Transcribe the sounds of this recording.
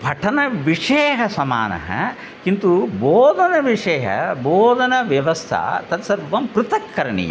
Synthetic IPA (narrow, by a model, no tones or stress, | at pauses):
bʱɐʈʰɐnɐʋiʂeːɦɐsɐma̰ːnɐ̰ɦɐ̰ | kint̪uboːd̪ʱɐnɐʋiʂɛːɦɐ̰boːd̪ʱɐnɐʋjɐʋɐst̪ʰɐ̰t̪ɐt̪sɐɾʋɐmpɾut̪ɐkːɐɾɐɳḭjɐ̰